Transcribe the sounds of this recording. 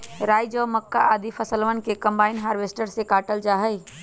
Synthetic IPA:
ɾaːjd͡ʒəːməkːaʔaːd̪ipʰəsəlʋənkekə̃mbaːɪinɦaːɾʋeːsʈəɾsekaːʈəld͡ʒaːɦəi

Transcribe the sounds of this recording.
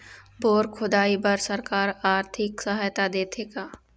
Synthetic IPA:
boːɾkʰʊd̪aːibɐɾsɐɾkaːɾaːɾt̪ʰɪksɐɦaːjt̪ad̪eːt̪ʰeːɡaː

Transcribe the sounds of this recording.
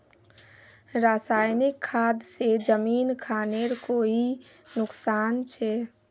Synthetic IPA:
ɾaːsaːjnɪkʰːaːd̪sed͡ʒəmiːnkʰaːneɾkoi | nʊksaːnt͡ʃʰɛ

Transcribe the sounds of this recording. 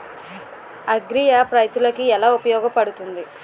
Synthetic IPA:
ɐɡɾijaːpɾɐjt̪ːulɐkiɛlaːupɐjɔːɡɐpɐɽut̪und̪i

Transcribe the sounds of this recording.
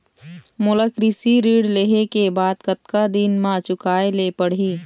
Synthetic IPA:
mʊləkɾisiɾiːɽleɦekebaːd̪kət̪kad̪inmãt͡ʃʊkaːelepəɽ̤iː

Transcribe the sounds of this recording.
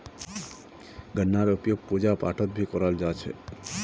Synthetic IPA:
ɡənːaɾopijoɡ̚pud͡ʑapa̰ʈʰot̪̚bʱikɔɾald͡ʑat͡ɕʰḛ

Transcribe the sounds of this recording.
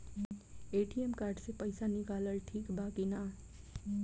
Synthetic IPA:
eːʈiemkaːɾɖsepɐɪsanɪkaːləlʈʰiːkbaːkinaː

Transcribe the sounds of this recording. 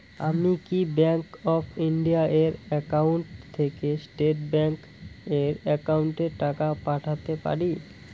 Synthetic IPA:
a̰mikibɛŋkɔfʰiɳɖiaʔeɾɛkauɳʈt̪ʰekesʈeʈbɛŋk | eɾɛkawɳʈeɾʈakapaʈʰat̪epa̰ɾi

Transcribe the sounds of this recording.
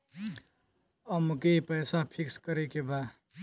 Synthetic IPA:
əmkepəjsapʰikskəɾekeba

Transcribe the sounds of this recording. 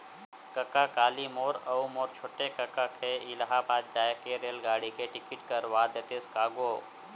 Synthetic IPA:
kəkakaːlimoːɾəumoːɾt͡ʃʰoːʈekəkakʰeɪlɦabaːd̪̚d͡ʒaːjkeɾeːlɡaːɽikeʈɪkiʈkəɾʋad̪et̪eskaːɡo

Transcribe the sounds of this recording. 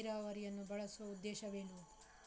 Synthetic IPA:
ɾaːʋɐɾijɐnːubɐɭɐsuʋɐud̪ːeːʃɐʋeːlu

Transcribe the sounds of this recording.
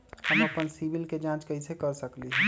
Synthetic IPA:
həməpənsibilked͡ʒãt͡ʃkəisekəɾsəkliɦ

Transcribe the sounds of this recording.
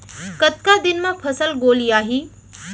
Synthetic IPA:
kət̪kad̪ɪnmãpʰəsəlɡoːlijaːɦiː

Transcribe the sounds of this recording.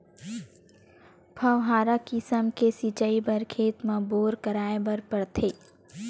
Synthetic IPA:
pʰɐʋɦaːɾakisəmkesit͡ʃaibəɾkʰeːt̪mãboːɾkəɾaːebəɾpəɽt̪ʰeː

